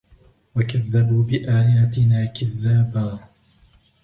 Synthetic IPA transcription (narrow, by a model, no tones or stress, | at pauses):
wakaðːabuːbɪʔaːjaːt̪ɪnaːkɪðːaːbaː